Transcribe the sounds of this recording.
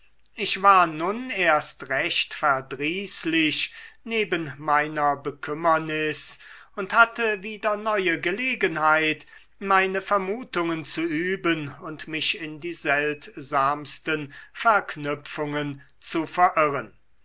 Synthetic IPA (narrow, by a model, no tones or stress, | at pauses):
ʔɪçv̥aːɐnʊneːɐstʁɛʃtfɛɐdʁiːslɪʃneːbənmaɪnɐbəkʰʏmɐnɪsʊnthatəviːdɐnɔʏəɡəleːɡənhaɪt | maɪnəfɛɐmuːtʊŋənt͡suʔyːbənʊntmɪçɪndiːzɛltzaːmstənfɛɐknʏp͡fʊŋən | t͡sufɛɐʔɪʁən